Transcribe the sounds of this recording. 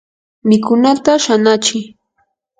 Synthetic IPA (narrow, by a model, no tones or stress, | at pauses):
mɪkʊnat̪aʃanat͡ʃɪ